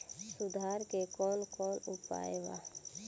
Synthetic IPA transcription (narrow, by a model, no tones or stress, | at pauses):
sʊd̪ʱaːɾkekɔːnkɔːnʊpa̰ːeʋa̰ː